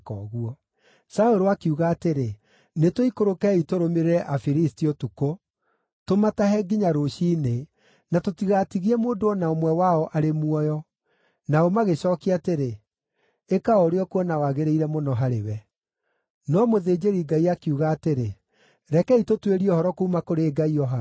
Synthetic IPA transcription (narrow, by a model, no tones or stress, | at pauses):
kɔɣuɔ | saoɾoakiuɣaːteɾe | netoikoɾokɛitoɾomeɾɛʔafiɾistiotuko | tomataɦɛɡiɲaɾoʃiːne | natotiɣatiɣiɛmoːndoɔnaomwɛwaɔʔaɾemuɔjɔ | naomaɣeɕɔːkiateɾe | ekaɔɾeɔkwɔnawaɣeɾeiɾɛmonɔɦaɾḛwɛ | nɔmoðeːd͡ʑeɾiɡaiakiuɣaːteɾe | ɾɛkɛitotweɾiɔhɔɾɔkoumakoɾeːɡaiɔɦa